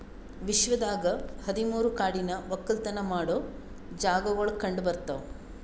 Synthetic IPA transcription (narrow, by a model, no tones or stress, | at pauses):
ʋiʃʋɐd̪aːɡɐhɐd̪imuːɾukaːɽinɐʋɐkːɐlt̪ɐnɐmaːɽoː | d͡ʒaːɡɐʋɐɭkɐɳɖbɐɾt̪ɐʋ